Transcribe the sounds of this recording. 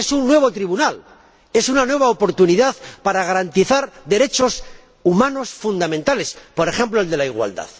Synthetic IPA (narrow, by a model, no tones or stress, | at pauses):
esunːwe̞β̞o̞t̪ɾiβunal | e̞sunanwe̞β̞aopo̞ɾt̪uniðaðpaɾaɣ̞aɾant̪iθaɾd̪e̞ɾe̞t͡ʃo̞s | umãno̞sfund̪amẽnt̪ale̞spo̞ɾe̞xẽ̞mploe̞ld̪e̞laiɣwa̰ld̪a̰ð